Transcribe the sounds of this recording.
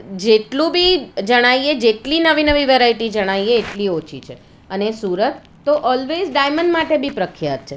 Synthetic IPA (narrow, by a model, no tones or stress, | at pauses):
d͡ʒeʈlũbʱid͡ʒəɽ̃aijed͡ʒeʈlinəʋinəʋiʋeɾaiʈid͡ʒəɽ̃aijeːʈliot͡ʃʰḭt͡ʃʰe | ənesuɾət̪ːoʔɔlʋed͡ʒɖajməɳɖmaʈebʱipɾəkʰjat̪̚t͡ʃʰe